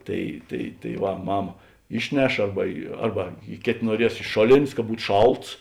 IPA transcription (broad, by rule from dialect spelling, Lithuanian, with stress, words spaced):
ˈtɐɪ tɐɪ tɐɪ ʋɐ ˈmɑːmɐ ˈɪʃʲˌnʲɛʃ ˈɐrbɐ ɪ ˈɐrbɐ ɪ ˈkʲeːtʲ nuɔˈrʲiɛs ɪʃ ˈʃoːˌlʲeːnʲsʲ kɐ ˈbuːt ˈʃɐlˠts